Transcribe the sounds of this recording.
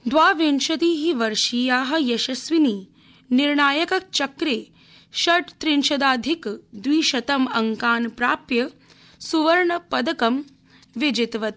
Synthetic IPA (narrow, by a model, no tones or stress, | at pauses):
d̪ʋaːʋeːnʃɐt̪iːɦiʋɐɾʃiːjaːɦɐ̆jɐʃɐsʋiniː | niɾɳaːjɐkɐk̚t͡ʃɐkɾeː | ʃɐɖt̪ɾinʃɐd̪aːd̪ʱikd̪ʋiːʃɐt̪ɐmɐŋkaːnpɾaːpjɐ | suʋɐɾɳɐpɐd̪ɐkɐm | ʋɪd͡ʒɪt̪ʋɐt̪